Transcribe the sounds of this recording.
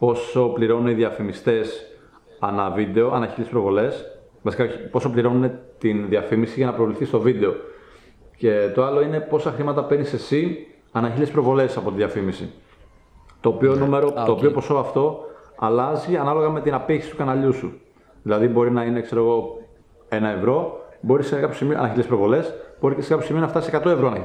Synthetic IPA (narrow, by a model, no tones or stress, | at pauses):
po̞so̞pliɾo̞nuneiðiɐfimist̪e̞s | ɐnɐvid̪e̞o̞ɐnɐçilespɾo̞vo̞le̞s | vɐsi̥kɐipo̞so̞pliɾo̞nune̞t̪inðiɐfimisiʝɐnɐpɾovliθist̪o̞vid̪e̞o̞ | ce̞t̪o̞ɐlo̞ine̞po̞sɐxɾimɐt̪ɐpenise̞si | ɐnɐçilespɾo̞vo̞le̞sɐpo̞t̪iðiɐfimisi | t̪o̞ːpionumeɾot̪oːpiopo̞so̞ɐft̪o̞ɐlɐziɐnɐlo̞ɣɐme̞t̪inɐpiçisit̪ukɐnɐʎusu | ðilɐðibo̞ɾinɐine̞kse̞ɾo̞ɣo̞ | e̞nɐe̞vɾo̞bo̞ɾiskɐpjo̞simioɐ̰nɐçilespɾo̞vo̞le̞sb̥o̞ɾiceskɐpçosimionɐft̪ɐsisekɐt̪oe̞vɾo̞nɐ